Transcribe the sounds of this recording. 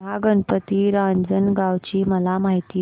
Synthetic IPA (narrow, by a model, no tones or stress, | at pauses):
aɡəɳpət̪iːɾãnd͡zənɡaʋt͡ɕiːməlamaɦit̪iː